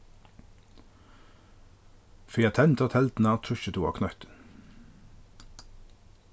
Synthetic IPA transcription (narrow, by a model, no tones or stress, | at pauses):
fʏɑt̪ʰɛnt̪ʰət̪ʰɛlt̪n̩əɑːt̪ʰɾʉʃət̪ʰuːɑ̰ːkʰnœt̪ən